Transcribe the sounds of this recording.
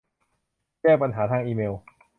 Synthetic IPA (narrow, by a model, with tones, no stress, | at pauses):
t͡ɕɛː˥˩ŋpa˧nɦaː˩˦t̪ʰaː˧ŋʔiː˧meː˧w